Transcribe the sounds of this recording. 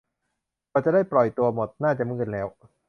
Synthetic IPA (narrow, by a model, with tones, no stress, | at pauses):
kɔː˧˩t͡ɕa˨˩daː˥˩jpɾɔ˨˩jt̪u˧ɐmo˨˩t̪̚naː˥˩t͡ɕa˨˩mɯː˥˩n̚lɛː˦˥w